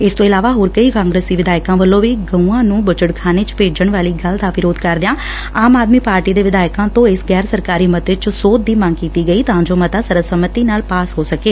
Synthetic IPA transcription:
ɪst̪õːɪlaːʋaːɦoːɾkəiːkaːŋɡɾeːsiːʋɪd̪aːɪkãːʋəlːõːʋiːɡəũːãːnũːbət͡ʃəɽkʰaːneːt͡ʃpeːd͡ʒəɳ̃ʋaːliːɡəld̪aːʋɪɾoːd̪kəɾd̪ɪjãː | aːmaːd̪miːpaːɾʈiːd̪eːʋɪd̪aːjkãːt̪õːɪsɡɛːɾsəɾkaːɾiːmət̪ɪt͡ʃsoːt̪̚d̪iːmãŋɡkiːt̪iːɡəiːt̪ɐɦãːd͡ʒoːmət̪aːsəɾəsəmət̪iːnaːlpaːsɦoːsəkeː

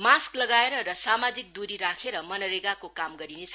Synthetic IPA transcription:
masklʌɡaeɾʌɾʌsamad͡zik̚d̪uɾiɾakʰeɾʌmʌnʌɾeɡakokamɡʌɾinet͡sʰʌ

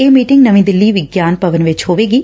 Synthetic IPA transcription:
eːmiːʈɪ̃ŋɡnəʋĩːd̪ɪlːiːʋɪɡjaːnpəʋənʋɪt͡ʃɦoːʋeːɡiː

